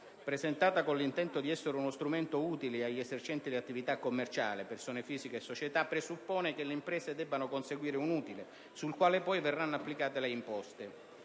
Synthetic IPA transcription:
pɾezɛnt̪aːt̪akonlint̪ɛnt̪od̪iɛsːeɾunost̪ɾumɛnt̪ouːt̪iliaʎːɛzert͡ʃɛnt̪id̪iat̪ːivit̪akːomːert͡ʃa̰ːlɪpersoːnefiːzikeːsːot͡ʃet̪apːɾesupːɔːnekelːeimpɾɛːzed̪ɛbːanokonseɡwiːɾeunuːt̪ile | sulkwaːlepɔjvɛrːanːapːlikaːt̪eleimpɔst̪e

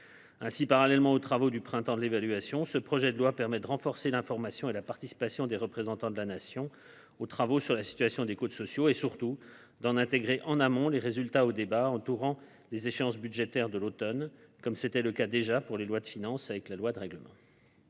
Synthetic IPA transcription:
ɛ̃sipaʁalɛlmɑ̃ot̪χavod̪ypχɛ̃t̪ɑ̃d̪əlevalɥasjɔ̃səpχɔʒɛd̪əlwapɛʁmɛd̪əʁɑ̃fɔʁselɛ̃fɔʁmasjɔ̃elapaʁt̪isi̥pasjɔ̃d̪eʁəpχezɑ̃t̪ɑ̃d̪əlanasjɔ̃ | ot̪χavosyʁlasi̥t̪ɥasjɔ̃d̪ekot̪sɔsjoesyʁt̪u | d̪ɑ̃nɛ̃t̪eɡʁeʔɑ̃namɔ̃leʁezylt̪aod̪ebaɑ̃t̪uʁɑ̃ | lezeʃeɑ̃s̬byd̪ʒet̪ɛʁd̪əlot̪ɔnkɔmset̪ɛləkad̪eʒapuʁlelwad̪əfinɑ̃savɛklalwad̪əʁɛɡləmɑ̰̃

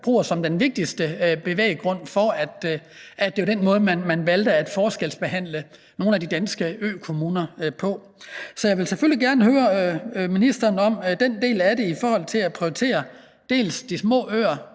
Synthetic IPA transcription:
b̥ʁṵːɐsɒ̽md̥enʋe̝ɡ̥̚d̥isd̥əb̥e̝ʋḛːɪɡ̥ʁɔ̽n̰fɒ̽æd̥ | ʔæd̥e̝od̥enmɔ̽ːð̞̩ˠmænmænʋæld̥əæd̥fɒːsɡ̥elsb̥e̝ɦæn̰lə | no̝ːn̩æd̥id̥ænsɡ̥əø̰ːkʰo̝muːnɐpʰɒ̽ | sɒ̽jɑ̈ɪʋe̝lseføliɡ̥æɐnəɦøːɐminisd̥ɐːnɒ̽md̥end̥e̝̰ːlæɾe̝ifɒːhɒ̽l̰t͡sʰe̝læpʰʁioit͡sʰe̝̰ːɐ | d̥e̝̰ːlsd̥ismɔ̰̽ːø̰ːɐ

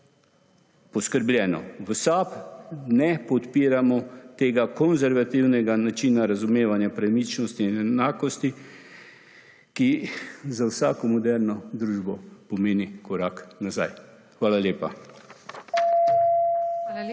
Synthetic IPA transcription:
pɔskəɾblʲjɛːnɔ̰ʋəsapnɛpɔt̪piːɾamɔt̪eːɡakɔnzɛɾʋat̪iwnɛɡanat͡ʃiːnaɾazumeːʋanjapɾamit͡ʃnɔst̪inɛnaːkɔst̪i | kizawsaːkɔmɔd̪ɛɾnɔd̪ɾuːʒbɔpɔmeːnikʰɔɾaːknazaj | xʋaːlaljeːpa

